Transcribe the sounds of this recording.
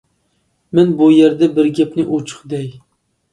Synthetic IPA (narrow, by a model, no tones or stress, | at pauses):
mɪnbujeɾd̪ɛbɪɾɡʲɛpnɪʔut͡ʃʰʊ̥χd̪ɛj